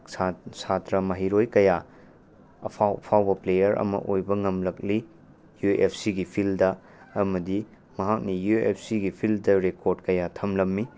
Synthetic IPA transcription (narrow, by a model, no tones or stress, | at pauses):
satɾɐmɐɦiɾojkɐja | ɐ̰pʰawpʰawbɐplejɐɾɐ̰mɐ̰ʔojbɐŋɐmlɐk̚li | juḛpʰsiɡipʰildɐː | mɐdi | mɐɦak̚nijuḛp̚ʰsiɡipʰildɐɾekoɾdkɐjatʰɐmlɐmːi